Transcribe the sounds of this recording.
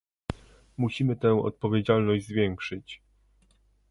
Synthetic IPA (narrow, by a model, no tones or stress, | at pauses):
muɕimɘt̪ɛw̃ɔ̰t̪̚pɔvʲjed͡ʑalnɔʑd͡ʑzvʲjɛŋkʂɘt͡ɕ